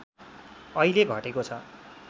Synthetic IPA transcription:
ʌileɡʱʌʈekot͡sʰʌ

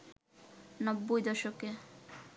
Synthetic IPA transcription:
nɔbːojd̪ɔʃoke

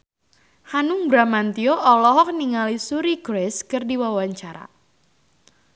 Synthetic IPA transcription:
hanuŋbɾamant̪ioʔɔlɔɦɔk̚niŋalisuɾiɡɾɛskɨrdiwawaɲt͡ʃaɾa̰

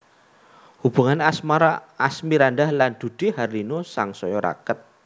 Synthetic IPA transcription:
hub̥ṳŋanasmaɾaasmiɾandahland̪̥ṳd̪̥ɪhaɾinosaŋsɔjɔɾa̰kət̪̚

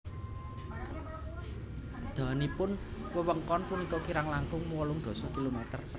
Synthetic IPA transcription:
d̪̥a̤nipʊnwəwəŋkɔnpunikɔkiɾaŋlaŋkʊŋmuwɔlʊŋd̪̥ɔ̤sɔkilomɛt̪ə̰r

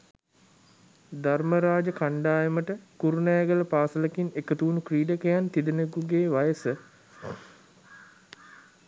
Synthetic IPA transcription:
d̪arməɾaːd͡ʒəkaɳɖaːjəməʈəkuɾunɛjɡələpaːsələkinekət̪uunukriːɖəkejant̪id̪ənekuɡeːʋajəsə

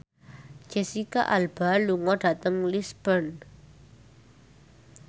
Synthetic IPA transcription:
d͡ʒ̥ɛsika̰ʔalb̥a̤luŋɔɖ̥ä̤t̪əŋlisb̥ən

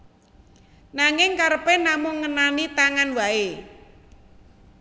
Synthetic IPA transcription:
naŋɪŋkaɾəpenamʊŋːənanit̪aŋanwae

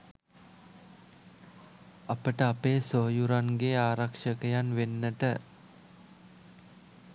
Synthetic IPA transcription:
apəʈəapeːsoɦjuɾaŋɡeaːɾakʂəkəjanʋenːəʈə

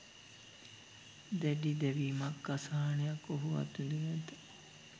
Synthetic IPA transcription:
d̪ɛɖid̪ɛʋiːmakːasaɦanejakːoɦuʋa̰t̪ːund̪umæt̪ə

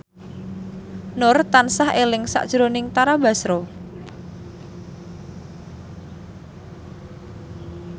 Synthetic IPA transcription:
nʊrt̪ansahelɪŋsa̰ʔd̥ʒ̥ɾonɪŋt̪aɾaba̤sɾo

